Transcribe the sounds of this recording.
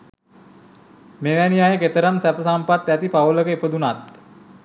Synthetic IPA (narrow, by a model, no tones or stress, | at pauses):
meʋænijajəket̪əɾamsæpəsampat̪ːæt̪ipaʋələkəepəd̪unat̪